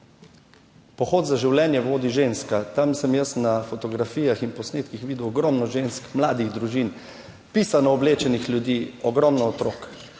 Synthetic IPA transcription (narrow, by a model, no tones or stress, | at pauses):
pɔxoːt̪zaʒiwlʲjɛnjɛʋoːd̪iʒenskat̪amsɛmjəsnafɔt̪ɔɡɾafiːjaxinpɔsneːt̪kixʋiːd̪uɔɡɾɔmnɔʒeːnskmlaːd̪iɣd̪ɾuʒin | piːsanɔɔbleːt͡ʃɛnixlʲjud̪iːɔɡɾɔmnɔɔt̪ɾoːk